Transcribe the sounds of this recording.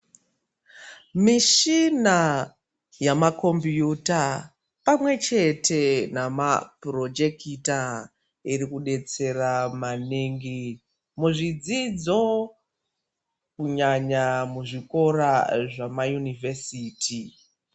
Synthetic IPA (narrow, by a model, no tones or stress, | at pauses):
miʃina | jamako̞mbjuta | pamwe̞t͡ʃe̞tʰe̞namapro̞d͡ʒekita | iɾikuɗe̞t͡se̞ramaneŋɡi | muʐid͡zid͡zo̞ | kuɲaɲamuʐiko̞ɾaʐamajunivesiːtʰi